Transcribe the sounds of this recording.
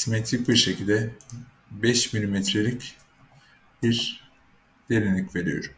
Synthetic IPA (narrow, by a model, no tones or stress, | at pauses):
simet̪ʰɾic̚biɾʃe̞cʰilʲd̪ɛ | bɛʃmilʲimɛt̪ɾelʲic | biɾ | d̪̥elʲinʲicve̞ɾijo̞̰ɾum